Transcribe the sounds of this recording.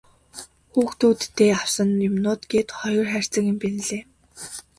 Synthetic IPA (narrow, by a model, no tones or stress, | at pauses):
xuːxt̪uːt̪ʰːeːaw̥sə̆nʊmnʊːt̪ɡeːt̪χɔjɞ̆rχær̥ʲt͡sə̆kĭmpenɘ̆ɮeː